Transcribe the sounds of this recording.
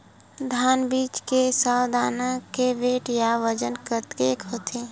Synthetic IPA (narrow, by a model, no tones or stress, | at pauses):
d̪ʱaːnbiːt͡ʃkesawd̪ʱaːnakeʋeːʈjaʋəd͡ʒənkət̪keːkɦoːt̪ʰeː